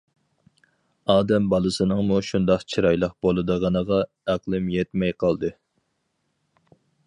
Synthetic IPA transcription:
ɑːd̪ɛmbɑlˠɨsɨnɨŋmuʃund̪ɑqt͡ʃʰiɾɑjlˠəqbolˠɨd̪əʁɑnəʁɑ | æqlˠɨmjɛt̪mɛjqʰɑlˠd̪ɨ

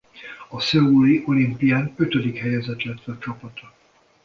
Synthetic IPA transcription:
ɒsɛuliʔo̞limpijaːnø̞t̪ød̪ikhɛjɛzɛt̪lɛt̪ʋɛɒt͡ʃɒpɒt̪ɒ

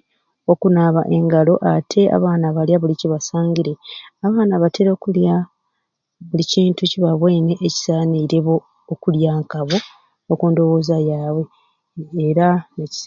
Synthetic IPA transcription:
o̞kunaβaʔe̞ŋɡalo̞ʔatʰe̞a̰βaːnaβaljaβuliciβasaːɲɟiɾe̞aβaːnaβatʰeɾo̞ːkulja | βuliciːntuciβaβwe̞ːne̞ʔeci̥saːniɾe̞βo̞ː | kuljaːŋkaβo̞ | okuːndo̞wo̞ːzajaːβwe̞ː | ɾaneci̥

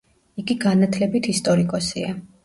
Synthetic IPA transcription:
iɡiɡanat̪ʰlɛbit̪ʰist̪ʼɔɾikʼɔsia

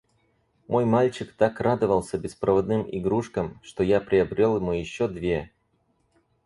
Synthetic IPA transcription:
mʔo̞jmalʲt͡ɕɪkt̪akrad̪əvəlˠsʲəbʲɪspɾʔəvɐd̪nɨmɪ̰ɡɾuʂkəmʂt̪o̞japɾʲɪɐbɾʲelˠjɪmujɪɕːod̪vʲe̞

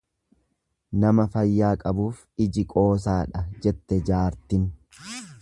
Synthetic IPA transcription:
nɐmɐfɐjːaːkʼɐbuːf | ɪd͡ʒɪkʼo̞ːs̬aːᶑɐd͡ʒɛt̪ːɛd͡ʒaːɾt̪ɪn

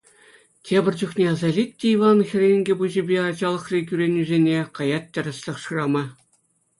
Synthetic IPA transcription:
tʲʰebʲɘ̆rʲd͡ʑuχnʲeɑzɑlʲitʲːeiʋɑnxʲɘ̆rʲenʲɡʲĕbuʑĭbʲeɑd͡ʑɑlˠɤ̆χrʲik̬ʲyɾʲenʲːyzʲenʲekɑjɑt̪̚ʲtʲːɘ̆rʲɘ̆sʲlʲɘ̆χʂɯrɑmɑ

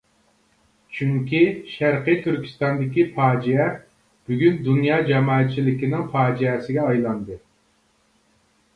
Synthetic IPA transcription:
t͡ʃʰyŋkʲiʃæɾqɨjt̪ʰyɾkʲi̥st̪ɑnd̪ɪkʲipʰɑːd͡ʒijɛ | b̥yɡʲynd̪unjɑːd͡ʒɛmɑːɛt̪̚t͡ʃʰilɪkʲinɪŋpʰɑːd͡ʒiɛsɪɡʲɛɑjlˠɑnd̪ɨ

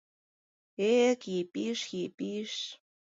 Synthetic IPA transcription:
ekipiʂxipiʃ

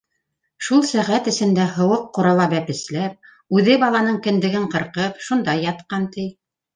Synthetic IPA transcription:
ʃulˠsæʁæt̪ɘ̆sɘ̆nd̪æɦɤ̆wɤqːŏɾɑlˠɑbæpɘ̆slæɾ | ʉðɘbɑlˠɑnɤɴkɘ̆nd̪ɘ̆ɡɘɴqɤ̆ɾqɤpʃund̪ɑjːɑt̪qɑnt̪ɘj

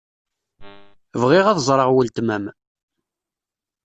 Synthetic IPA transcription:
vʁiʁæðzˤɾˤəʁwəlt̪mæm

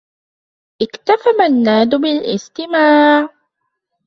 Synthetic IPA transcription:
ʔɪkt̪afamanːaːd̪ʊbɪlʔɪ̰st̪ɪmaːʕ

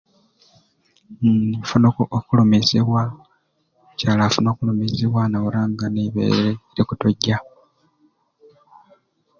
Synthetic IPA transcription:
mfunokoʔokulomezeβwa | caːlaːfunoːkulomezeβwanawuɾaːŋɡaneβḛːɾeiɾikutoɟːa

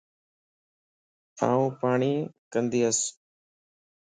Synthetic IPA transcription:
a̰ːũːpaːɳiːkənd̪iːəs

